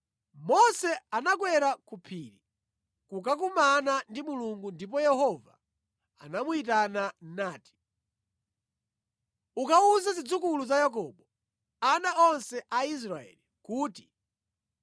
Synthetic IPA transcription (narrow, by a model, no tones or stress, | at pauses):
mɔsɛanak̬wɛɾakupʰiːɾi | kukakumanandimuluŋɡundip̬ɔjɛhɔva̰ | a̰namuit̬ananaːti̥ | ukauzazid͡zukuluzajak̬ɔɓɔ | anaɔnsɛʔais̬ɾaɛ̰likuːti̥